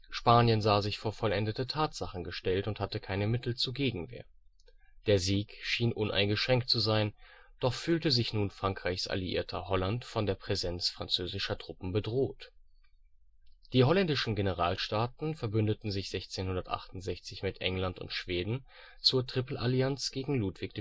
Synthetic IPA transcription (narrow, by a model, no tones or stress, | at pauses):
ʃpaːnjənzaːzɪçfoːɐfɔlʔɛndətətʰaːtz̥aχn̩ɡəʃtɛltʊnthatəkʰaɪnəmɪtl̩t͡suːɐɡeːɡŋ̩vḛːɐ | d̥eːɐziːkʃiːnʔʊnʔa̰ɪnɡəʃʁ̥ɛŋktt͡suzaɪn | d̥ɔχfyːltəzɪçnuːnfʁ̥aŋkʁ̥aɪçsʔa̰liʔḭːɐtʰɐhɔlantfɔndeːɐpʁ̥ɛzɛnt͡sfʁ̥ant͡søːzɪʃɐtʁ̥ʊpm̩bədʁoːt | d̥iːhɔlɛndɪʃn̩ɡenəʁ̞aːlʃtaːtn̩fɛɐbʏndətn̩zɪçz̥ɛçt͡seːnhʊndɐtʔa̰χtʊntz̥ɛçt͡sɪçmɪtʔɛ̰ŋlantʊ̰ntʃv̥eːdn̩ | t͡suːɐtʁ̥ɪpl̩ʔaliant͡sɡ̥eːɡŋ̩luːtv̥ɪk̚d̥